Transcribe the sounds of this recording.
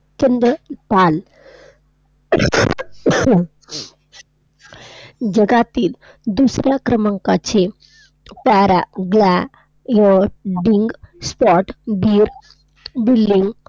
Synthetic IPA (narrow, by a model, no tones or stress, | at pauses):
t͡ɕənd̪ɾəpal | d͡ʑəɡat̪iːl | d̪usɾjakɾəmaŋkat͡ɕe | paɾaɡla | jəɖiŋɡspɔʈbiːɾ | bilːiŋɡ